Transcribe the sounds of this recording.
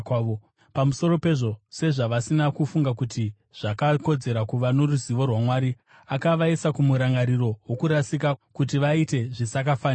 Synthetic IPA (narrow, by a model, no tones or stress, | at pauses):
o | pamuso̞ɾo̞pe̞ʐo̞se̞ʐaʋasinakufuŋɡakuti | ʐ̥akako̞d͡ze̞ɾakuʋanoruziʋo̞rwamwaːɾi | akaʋaesakumuɾaŋɡaɾiro̞wokuɾasikakutiʋaite̞ʐisak̬afaːn